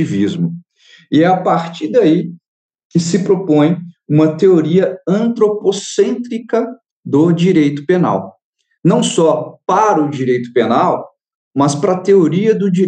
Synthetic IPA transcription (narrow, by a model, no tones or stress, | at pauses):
ivizmʊ | ɪɛapaɾt͡ʃiɾd̪ai | kɪsɪpɾopõj̃ũmɐt̪eoɾiɐɐ̃nt̪ɾoposẽnt̪ɾikɐ | d̪ʊd͡ʒiɾejt̪ʊ̥pena̰w | nɐ̃w̃sɔpaɾɐʊd͡ʒiɾejt̪ʊ̥penaw | mɐspɾɐt̪eoɾiɐd̪ʊd͡ʒi